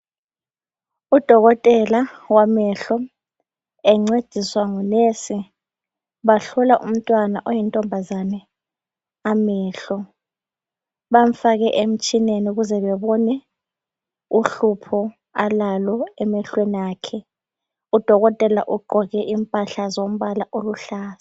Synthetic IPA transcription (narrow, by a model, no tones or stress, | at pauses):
ud̥ʱɔɣɔtʼɛlawamɛɬɔ | ɛŋ͡ǀed̥ʱiswaŋunesi | βaɬɔlaʔṵm̩tʼwanaʔɔjintʼɔmbʱazanɛ | amɛːɬɔ | βam̩faɣɛʔem̩t͡ʃʼineniuɣuzɛβɛβɔnɛ | uɬupʰɔ | alalɔɛmɛɬwenijaːkʰɛ | ud̥ʱɔɣɔtʼɛlaʔuɡ͡ǃʱɔɣɛʔimpʼaɬazom̩βalaʔoluɬaːsḁ